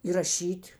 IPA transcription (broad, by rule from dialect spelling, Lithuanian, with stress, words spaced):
iːrɐˈʃʲiːtʲ